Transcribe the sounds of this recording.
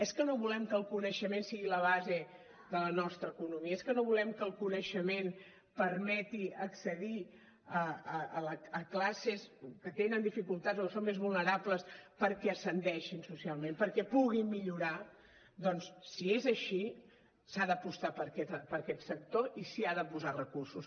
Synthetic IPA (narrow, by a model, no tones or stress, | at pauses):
ɛskənoβulɛmkəlˠkunəʃəmensiɣiləβ̞aze | ðələnɔst̪ɾəːkunumiəeskənoβulɛmkəlˠkunəʃəmen | pəɾmɛt̪iəksəði | əəələəklaseskət̪enənd̪ifikulˠt̪azokəsommezβulˠnəɾapləspəɾkɛəsənd̪ɛʃinsusialˠmempəɾkɛpuɣimmiʎuɾa | d̪ɔnsːiezəʃi | saðəpust̪apəɾkɛt̪pəɾkɛt̪sək̚t̪oʔisiaðəpuzarəkursus